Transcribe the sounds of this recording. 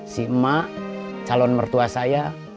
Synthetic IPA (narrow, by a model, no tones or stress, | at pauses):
simaʔ | t͡ʃalɔnmərt̪uasaja